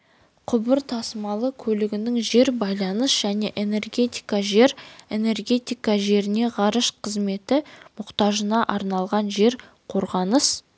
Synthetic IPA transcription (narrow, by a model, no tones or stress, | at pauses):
qʰʊbəɾt̪ʰɑsəmɑlˠəkʲʰɵlɪɡʲɪnɪŋʒe̞ɾbɑjlˠɑnəsʒ̥æne̞ʔe̞ne̞rɡʲe̞t̪ijkɑʒe̞ɾe̞ne̞rɡʲe̞t̪ijkɑʒe̞ɾɪne̞ʁɑɾəʃqʰəzme̞t̪ɪmʊqt̪ɑʒənɑʔɑɾnɑlˠʁɑnʒe̞ɾ | qʰo̞ɾʁɑnəs